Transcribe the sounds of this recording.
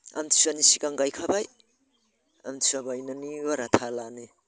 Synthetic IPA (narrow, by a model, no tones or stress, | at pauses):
a̰mtʰi̥sanisikaŋɡajkʰabaj | a̰mtʰisabajnaniwaɾatʰalani